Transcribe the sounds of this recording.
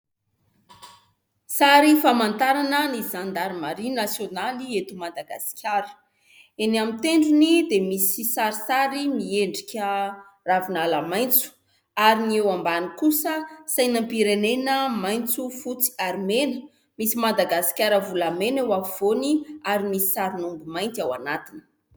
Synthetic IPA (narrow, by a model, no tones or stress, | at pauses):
saɾifamant̪aɾanənizand̪aɾimaɾinasjonaliet̪umad̪aɡa̰si̥kʲjaɾə̥ | enamint̪eɳɖ͡ʐunid̪emisisaɾisaɾimieɳɖ͡ʐikʲə | ravinalamajnt͡su̥ | aɾiniewambanikusəsajnampiɾenenəmajnt͡sufut͡si̥armenə | misimad̪aɡasi̥kʲaɾəvulamenewaviv̥oniaɾimisi̥saɾinumbumajnt̪awanat̪inə̥